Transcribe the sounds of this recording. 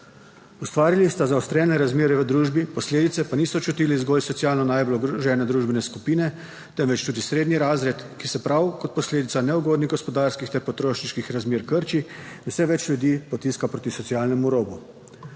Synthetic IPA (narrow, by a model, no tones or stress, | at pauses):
ust̪ʋaːɾilist̪azaust̪ɾɛnɛɾazmeːɾɛʋəd̪ɾuːʒbipɔsleːd̪it̪sɛpaniːsɔt͡ʃut̪ilizɡɔːlsɔt̪sjaːlnɔnaːjblɔɡɾʒɛːnɛd̪ɾuʒbɛnɛskupiːnɛ | t̪ɛmʋɛt͡ʃt̪uːd̪isɾeːd̪niɾaːzɾɛt̪kisɛpɾawkɔt̪̚pɔsleːd̪it̪sanɛuɡoːd̪niɣɡɔspɔd̪aɾskixt̪ɛɾpɔt̪ɾoːʃniʃkixɾazmeːɾkəɾt͡ʃisɛʋɛt͡ʃlʲjud̪iːpɔt̪iskapɾoːt̪isɔt̪sijaːlnɛmuɾoːbu